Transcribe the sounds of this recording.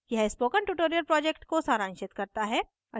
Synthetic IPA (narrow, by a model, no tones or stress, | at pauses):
jɐɦɛspoːkə̃nʈuʈoːɾiəɾpɾɔːd͡ʒekʈkosaːɾãːnʃɪt̪kɐɾt̪aɦɛː | ɐ